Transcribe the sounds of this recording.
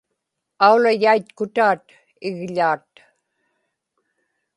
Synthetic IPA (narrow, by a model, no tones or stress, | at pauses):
aulajajt̪kʊt̪aːt̪ | ɪɣʎaːt̪